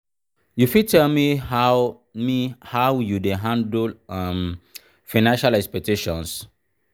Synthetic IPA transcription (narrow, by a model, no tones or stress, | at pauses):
jufitʰɛlmiha | mihawjudɛ̃ɦãndlam | faɪnãnʃalɛkspɛk̚tʰeʃɔ̃ns